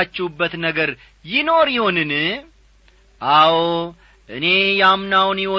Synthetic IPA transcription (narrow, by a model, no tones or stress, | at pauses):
at͡ʃːɛwubːət̪nəɡəɾ | jɪno̞ɾjɪho̞nɨn | ʔaw | ʔɨne̞jamnawnjɪwɔ